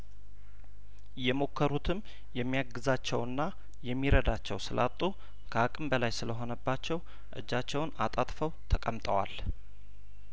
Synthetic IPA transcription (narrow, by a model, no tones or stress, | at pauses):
jɛmo̞kʰːəɾut̪ʰɨm | jɛmːijaɡɨzat͡ʃːɛwɨnːa | jɛmːiɾəd̪at͡ʃːɛ̰wsɨlʔat̪ʼːu | kʰəakʼɨmbəlajsɨləɦo̞nəbːat͡ʃːɛw | ʔɨ̰d͡ʒːat͡ʃːɛwʊnat̪ʼat̪ʼfəwt̪ʰəkʼəmt̪ʼəwa̰l